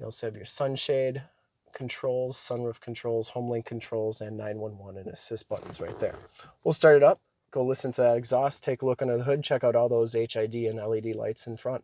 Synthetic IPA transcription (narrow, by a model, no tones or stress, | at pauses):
jɔ̰lˠsoʊɨvjə˞sʌ̃nʃeɪd̚ | kʰn̩tʰɹ̥oʊlˠz̥sʌ̃nɹufkʰn̩tʰɹ̥oʊlˠz̥hõʊ̃mlɪ̃ŋkʰn̩tʰɹ̥oʊlˠzɨ̃nːãɪ̃nwʌ̃nwʌ̃nɨ̃nɨsɪsb̥ʌ̰ʔn̩z̥ɹaɪt̪̚ðə̰˞wilˠstɑɹɾɨɾʌp̚ | ɡ̥oʊlɪsɨ̃n̩tʰɨðəɾɨɡzɔstʰeɪkəlʊkʌ̃ndə˞ðəɦʊd̚t͡ʃʰɛkaʊɾɔlˠðoʊzeɪt͡ʃaɪdiɨ̃nɛlˠidila̰ɪtsn̩fɹʌ̃nt̚